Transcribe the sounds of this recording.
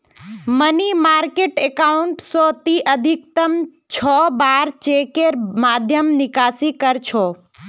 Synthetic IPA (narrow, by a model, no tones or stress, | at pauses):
mənimaːɾkeːʈekaʊɳʈsoːt̪iʔəd̪ʱik̚t̪əm | t͡ʃʰɔːbaːɾt͡ʃeːkeɾmaːd̪ʱjəmnɪkaːsikəɾt͡ʃʰoː